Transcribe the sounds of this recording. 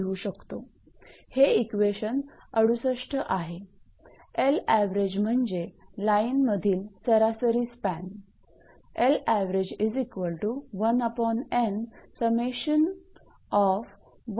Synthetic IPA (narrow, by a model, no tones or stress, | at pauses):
uɕəkt̪o | heikʋeɕən | əɽusəʂʈʰəʔaɦe | elæʋɾed͡ʑm̤əɳd͡ʑelainməd̪ʱiːlsəɾasəɾiːspæn | elæʋɾed͡ʑizikʋəlʈuʋənəpɔnẽnsəmeɕən | ɔf | ʋ